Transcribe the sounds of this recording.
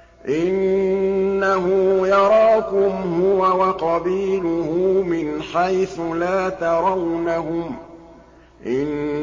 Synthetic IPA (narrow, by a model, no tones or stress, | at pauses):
ʔɪnː | aɦuːjɑɾˤɑːkʊmhʊwawaqɑbiːlʊhuːmɪnħajθʊlaːt̪ɑɾˤɑwnahʊm | ʔɪn